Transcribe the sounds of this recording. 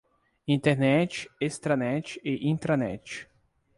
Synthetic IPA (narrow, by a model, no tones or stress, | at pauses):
ĩt̪eɾnɛt͡ʃɪ̥est̪ɾanɛt͡ʃɪ̥ɪʔĩnt̪ɾanɛ̰t͡ʃɪ̥